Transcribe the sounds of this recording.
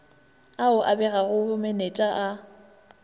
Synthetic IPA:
aʊʔabɛɣaɣʊmɛnet͡ʃʼaʔa

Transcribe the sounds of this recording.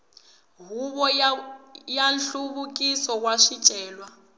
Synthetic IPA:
ɦuβɔ | janɬuβukʼisɔwaʃit͡ʃʼɛːlwa

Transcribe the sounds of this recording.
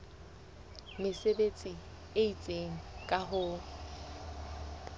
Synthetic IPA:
mɪsebet͡sʼi | eit͡sʼeŋ̩kʼaɦʊ

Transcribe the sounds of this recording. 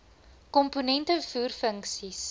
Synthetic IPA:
kɔmponɛntəfuːrfəŋksis

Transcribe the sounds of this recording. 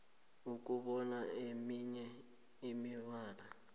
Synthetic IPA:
ukʼuɓɔnaemiɲɛ | imiβaːla

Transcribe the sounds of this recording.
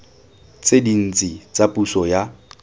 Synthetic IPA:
t͡sʼedin̩t͡sʼit͡sapʼusɔja

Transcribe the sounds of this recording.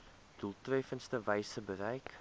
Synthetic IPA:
d̥ulˠtrɛfənstəvɛjsəbəɾɛjk

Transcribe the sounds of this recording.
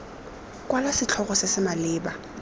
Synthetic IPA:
kwalasɪt͡ɬʰɔχɔsɪsɪmalɪːba

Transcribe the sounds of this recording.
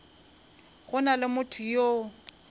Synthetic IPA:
ɣʊnalɪmʊtʰʊjo

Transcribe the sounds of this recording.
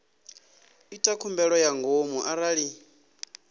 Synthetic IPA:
itʼakʰumbɛɺɔjaŋɡomuʔaɾaɺi

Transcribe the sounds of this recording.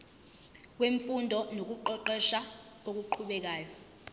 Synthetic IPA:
k̬weɱfundʱɔnok̬uǃɔǃɛʃa | ok̬uǃʰuɓɛk̬aːjɔ

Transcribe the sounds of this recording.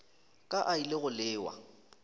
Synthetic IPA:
kʼaʔailɪɣʊlɪːwa̰

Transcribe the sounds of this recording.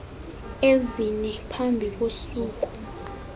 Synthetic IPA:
ezinɛpʰambʱik̬ʼosuːk̬ʼu̥

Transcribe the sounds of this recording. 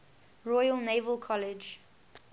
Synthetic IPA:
ɹɔjəlnevəlˠkʰɔlɪd͡ʒ

